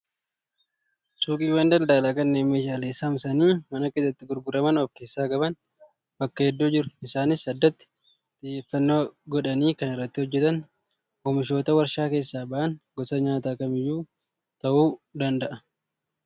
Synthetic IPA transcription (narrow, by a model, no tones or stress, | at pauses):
sʼuːkʼiːwaːnd̪ɐld̪ɐʔlakɐnːeːme̞ːʃaːleːsːamsɐniːmɐnɐkeːsːɐt̪ːɪɡʊɾɡʊɾɐmɐnɔfke̞ːsːaːkʼɐbɐn | bɐkːɐhɛd̪ːuːd͡ʒɪɾʊ̥ɪsaːnɪsːɐd̪ːɐt̪ːɪ̥ | t̪ʼɪjːeːfːɐnːo̞ːɡɔᶑɐniːkɐnɪrːɐt̪ːɪhɔd͡ʒːɛt̪ɐn | oːmɪʃo̞ːt̪ɐwɐɾʃaːke̞ːsːaːbɐʔɐnɡɔsɐɲaːt̪aːkɐmɪjːuː | t̪ɐʔuːd̪ɐnd̪ɐʔɐ